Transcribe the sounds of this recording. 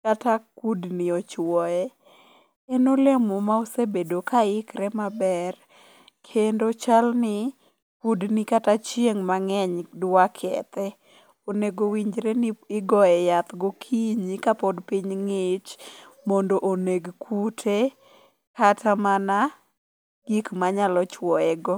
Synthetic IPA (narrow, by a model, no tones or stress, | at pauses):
katakudnɪɔt͡ʃwɔɛ | ɛnolemɔmaosebedokʰaɪkɾɛmabɛr | kʰendot͡ʃalnɪ | kudnɪkatat͡ʃjeŋmaŋɛɲdwakʰɛ̰t̪ɛ | oneɡowiɲd͡ʒɾenɪɡɔɛjat̪ɡokʰiɲikapɔdpiɲŋɪt͡ʃmondoʔoneɡkʰutʰe | katʰamana | ɡ̥ikmaɲalɔt͡ʃwɔɛɡɔ